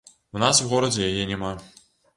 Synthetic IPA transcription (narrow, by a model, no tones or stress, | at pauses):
unaswɣɔɾɐd͡zʲɛjajɛnʲɛma